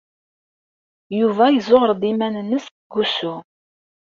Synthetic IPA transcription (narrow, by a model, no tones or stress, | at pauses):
juvæjəzoʁəɾd̪imænənːəs | ɡːusu